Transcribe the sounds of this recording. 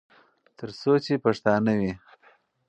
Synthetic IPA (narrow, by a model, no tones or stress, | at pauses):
t̪əɾsot͡ʃepaʂt̪ɑnawi